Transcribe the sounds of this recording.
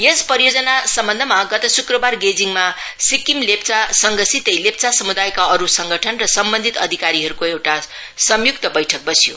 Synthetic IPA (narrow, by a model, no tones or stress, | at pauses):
jespʌɾijod͡zʌnasʌmbʌnd̪ʱʌmaɡʌt̪ʌsukrʌbarɡed͡ziŋma | sikːimlept͡sasʌŋɡʌsit̪ʌjlep̚t͡sasʌmud̪ajkaʌɾusʌŋɡʌʈʰʌnrʌsʌmbʌnd̪ʱit̪ʌd̪ʱikaɾiɦʌɾukoewʈa | sʌmjuk̚t̪ʌbʌjʈʰʌk̚bʌsjo̰